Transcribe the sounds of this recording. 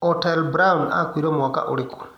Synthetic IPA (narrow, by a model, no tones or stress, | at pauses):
ɔtɛlbɾauna̰kwiɾɔmɔka̰ʔo̰ɾɪkʊ̥l